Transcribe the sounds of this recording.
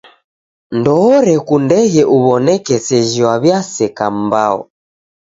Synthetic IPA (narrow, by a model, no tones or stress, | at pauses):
ndɔːɾɛkundɛɣɛʔuβɔnɛkɛsɛʒiwaβjasɛkam̩baɔ̰